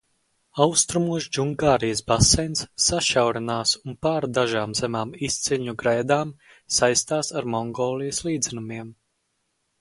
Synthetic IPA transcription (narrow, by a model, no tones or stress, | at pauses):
awst̪ɾumuɔʃd͡ʒuŋɡaːɾijsbasɛjnsːaʃawɾɛnaːsunpaːɾd̪aʒaːmzemaːmist̪siɲuɡɾɛjd̪aːm | sajst̪aːsaɾmɔŋɡɔːlˠijɐslˠiːd̪zɛnumiɛm